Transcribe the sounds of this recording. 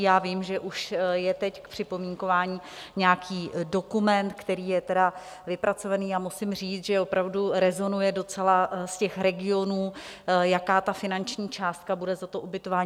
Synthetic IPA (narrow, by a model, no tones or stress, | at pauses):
jaːviːmʒɛʔuʃjɛt̪ɛckpr̝̥ɪpo̞miŋko̞vaːɲiː | ɲɛjakʰiːdo̞kumɛnt̪kt̪ɛɾiːjɛt̪ɛda | vɪpɾat͡so̞vaniːamusɪmr̝iːt͡s̪ʒɛo̞pɾavduɾɛzo̞nujɛdo̞t͡sɛlascɛxɾɛɡɪo̞nuːjakaːt̪afɪnant͡ʃɲiːt͡ʃaːst̪̚kabudɛzat̪oʔubɪt̪o̞vaːɲ